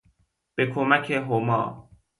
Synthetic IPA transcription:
b̥ekʰomækʰeɦomɒ̰ː

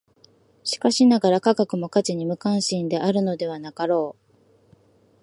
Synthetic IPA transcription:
ɕi̥kaɕinaɡaɾakaɡakɯ̟mo̞kat͡ɕiɲ̟imɯ̟kãɰ̃ɕĩnd̪e̞ʔaɾɯ̟no̞d̪e̞βanakaɾo̞ː

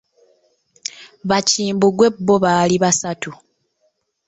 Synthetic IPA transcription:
βaciːmbuɡwe̞bːo̞βaːliβasatu

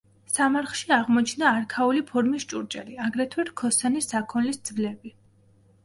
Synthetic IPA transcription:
samaɾχʃiaʁmɔt͡ʃʰnaːɾkʰaulipʰɔɾmist͡ʃʼuɾt͡ʃʼɛ̰liaɡɾɛt̪ʰwɛɾkʰɔsanisːakʰɔnlisd̪zvlɛbi

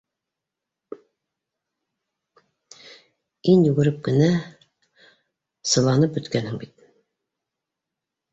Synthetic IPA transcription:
injʉɡɘ̆ɾɘp̚kɘ̆næ | sɤ̆lˠɑnɤp̚bɵ̆t̪kænhɘŋbit̪̚

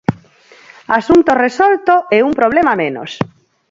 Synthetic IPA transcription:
asunt̪oresɔlt̪oeumpɾoβ̞lemamẽno̰s

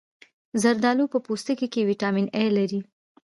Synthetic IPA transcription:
zaɾd̪ɑlupəpost̪əkekewiʈɑminelaɾi

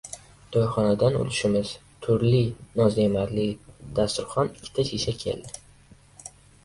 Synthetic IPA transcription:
d̪̥ɒjχɒnad̪ano̰lɪʃɪmɪz̥ | t̪ʰʊɾlɪnɒzemaɾlɪd̪̥ast̪ʊɾχɒnɪkʲʰːɪ̥t̪ʰaʃiʃakʲʰḛld̪ɪ

